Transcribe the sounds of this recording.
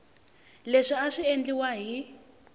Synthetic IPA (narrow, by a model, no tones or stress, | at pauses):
leʂiaʂiend͡ɮiwaɦi